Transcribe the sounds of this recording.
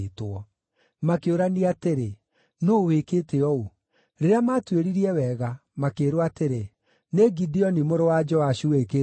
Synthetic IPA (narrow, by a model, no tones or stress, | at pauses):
twɔ | makeoɾaniateɾe | nowekeːteɔu | ɾeɾeamatweɾiɾiɛwɛɣamakeːɾwateɾe | neɡidiɔnimoɾowad͡ʒɔaɕuweke